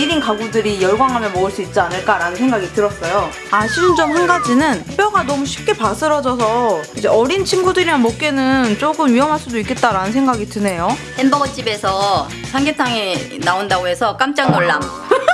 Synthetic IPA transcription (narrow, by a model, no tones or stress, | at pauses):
iɾinkaɡudɯɾijʌɭɡwaŋɦamjʌnmoɯɭs͈uit̚t͡ɕ͈ianɯɭk͈aɾanɯnsʰe̞ŋɡaɡitɯɾʌs͈ʌjo | aɕʰinɯnd͡ʑʌmhanɡad͡ʑinɯnep͈jʌɡanʌmuɕʰi̥p̚k͈e̞pas͈ʰɯɾʌd͡ʑʌsʰʌid͡ʑe̞ʌɾint͡ɕʰinɡudɯɾiɾanmok͈e̞nɯnt͡ɕ͈oɡɯmɥiʌmɦaɭs͈udoik͈ːe̞t̚t͈aɾanɯnsʰe̞ŋɡaɡitɯne̞johenbʌɡʌt͡ɕ͈ibe̞sʰʌ | sʰaŋɡetʰaŋinaondaɡoɦe̞sʰʌk͈amt͡ɕ͈aŋnoɭːaŋ